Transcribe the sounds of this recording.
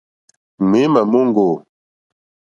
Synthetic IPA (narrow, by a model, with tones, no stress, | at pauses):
me˨˦ma˨mo˦ŋ˦ɡo˨